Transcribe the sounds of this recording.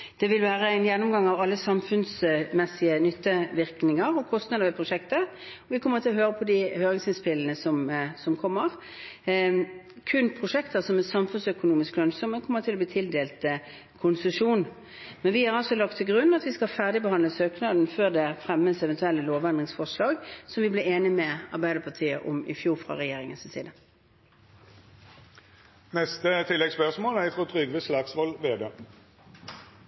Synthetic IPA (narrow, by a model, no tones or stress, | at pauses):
d̪̥ɛʋɪlʋæːʁəæɪnjɛnːʊmɡɑŋːɑʋɑlːəsɑmfʉnsmɛsɪənʏt̪ːəʋɪʁknɪŋəʁɔkʰɔst̪nɑːd̪əʋɛpʰʁʊʂɛkt̪ə | ɔʋɪkʰɔmːəʁt̪ʰɪlɔɦøːʁəpʰɔd̪ihøːɾɪŋsɪnspɪlːənəsɔmsɔmkʰɔmːəʁ | kʰʉnpʰʁʊʂɛkt̪əʁsɔmɛsɑmfʉnsœkʊnuːmɪsklœnsɔməkʰɔmːəʁt̪ʰɪlɔb̪liːt̪ʰɪld̪eːlt̪ə | kʰʊnsʉʂuːn | mɛnʋɪhɑʁɑlsɔlɑk̚t̪ʰːɪlɡʁʉnːɑt̪ʋɪskɑfæʁd̪ɪbəhɑnləsøːknɑːd̪n̩føːd̪ɛfʁɛmːəsɛʋɛnt̪ʉɛlːəloːʋɛnd̪ʁɪŋsfɔʁʂlɑːɡsɔmʋɪblɪːeːnɪmɛɑʁbæɪd̪əpʰɑt̪ʰiːə̰ʔɔmɪ̰fjuːʁfʁɑ̰ʁɛjeːʁɪŋənsɪnsiːd̪ə | nɛst̪ət̪ʰɪlːɛɡspœʁsmoːlæɪt̪ʰʁʊt̪ʰʁʏɡʋəslɑksʋɔlʋeːd̪eː